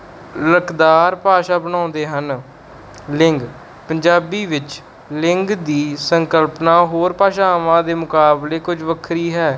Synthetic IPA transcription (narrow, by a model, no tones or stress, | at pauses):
ɾəkd̪aːɾpaːʃaːbənãːnd̪eːɦən | lɪŋɡ | pəɲd͡ʒaːbiːʋɪt͡ʃ | lɪŋɡd̪iːsəŋkəlpnaːɦoːɾpaːʃaːʋãːd̪eːmʊkaːbleːkʊd͡ʒʋəkʰɾiːɦɛː